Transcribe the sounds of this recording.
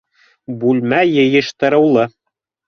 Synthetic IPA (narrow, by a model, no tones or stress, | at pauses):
bʉlmæjɤ̆jɤ̆ʃt̪ɤ̆ɾɤ̆wlˠɤ